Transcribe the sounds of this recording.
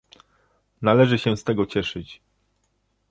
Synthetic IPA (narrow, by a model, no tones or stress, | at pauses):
nalɛʐɘɕɛ̃st̪ɛɡɔt͡ɕɛʂɘt͡ɕ